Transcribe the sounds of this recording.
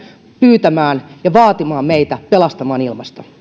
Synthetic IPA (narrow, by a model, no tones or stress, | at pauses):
pyːt̪æmæːnjɑʋɑːt̪imɑːmmeit̪æpelɑst̪ɑmɑːnilmɑst̪ɑ